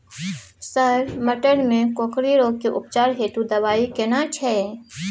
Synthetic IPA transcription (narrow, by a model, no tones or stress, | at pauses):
səɾmɐʈəɽmẽkoːkɾiɾoːɡkiʔʊpt͡ʃaːɾɦeːʈ̪ud̪ɐʋaːikenãt͡ʃʰɛ